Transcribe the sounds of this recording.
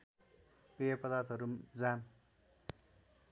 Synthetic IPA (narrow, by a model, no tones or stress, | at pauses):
pejʌpʌd̪art̪ʌɾumd͡zam